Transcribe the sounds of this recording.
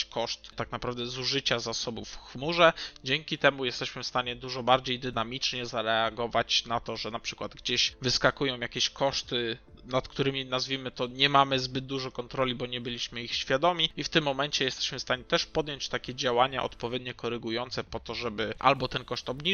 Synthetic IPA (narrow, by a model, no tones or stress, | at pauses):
kɔʂt̪t̪aknapɾavd̪ɛzuʐɘt͡ɕazasɔbufxmuʐɛd͡ʑɛŋkʲit̪ɛmujɛst̪ɛɕmɘfst̪aɲɛd̪uʐɔbaɾd͡ʑejd̪ɘnamʲit͡ʂɲɛzaɾɛaɡɔvat͡ɕnat̪ɔʐɛnapʂɘ̥kwad̪ɡd͡ʑeɕvɘskakujɔ̃w̃jakʲeɕkʰɔʂt̪ɘ | nat̪kt̪uɾɘmʲinazvʲimɘt̪ɔɲɛmamɘzbɘd̪̚d̪uʐɔkɔnt̪ɾɔlʲibɔɲɛbɘlʲiɕmɘixɕfʲjad̪ɔmʲiift̪ɘmːɔmɛnt͡ɕɛjɛst̪ɛ̥ɕmɘfst̪aɲɛt̪ɛʂpɔd̪ʲjɔɲt͡ɕt̪akʲɛd͡ʑawaɲa̰ʔɔ̰t̪pɔvʲjɛd̪ɲɔkɔɾɛɡujɔnt̪sɛpɔt̪ɔʐɛbɘʔa̰lbɔt̪ɛnkɔʂt̪ɔbɲi